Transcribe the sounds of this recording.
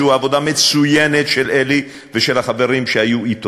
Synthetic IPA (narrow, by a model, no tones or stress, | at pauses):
uavo̞d̪amet͡sujenet̪ʃelʔeli | veʃelaχave̞ʁimʃehajuit̪